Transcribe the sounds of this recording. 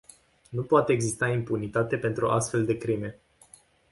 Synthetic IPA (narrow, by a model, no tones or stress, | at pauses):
nupoat̪eeɡzist̪aimpunit̪at̪e̞pe̞nt̪ɾuʔa̰st̪fe̞ld̪e̞kɾime̞